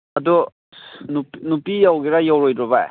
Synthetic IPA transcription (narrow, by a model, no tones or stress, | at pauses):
ɐdu | nunupijawɡiɾajawɾojdɾɔβaj̰